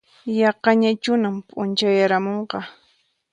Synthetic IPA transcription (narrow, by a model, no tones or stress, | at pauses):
jɑqɑɲat͡ʃʊnampʼʊnt͡ʃajaɾamoɴqɑ